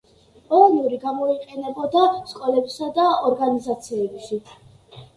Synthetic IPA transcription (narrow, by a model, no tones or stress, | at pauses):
pʼɔlˠɔnuɾiɡamɔiqʼɛnɛbɔd̪askʼɔlɛbisad̪aɔɾɡanizat̪sʰiɛbiʃi